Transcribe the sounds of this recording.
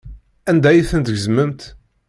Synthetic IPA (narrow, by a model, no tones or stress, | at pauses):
ænd̪æjiθənt̪əʝəzməmt̪